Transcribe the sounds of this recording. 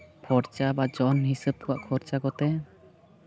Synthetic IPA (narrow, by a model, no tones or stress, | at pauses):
pʰɔɾt͡ʃabad͡ʒɔnhisəb̚kɔwa̰ʔkʰɔɾt͡ʃakɔt̪ɛ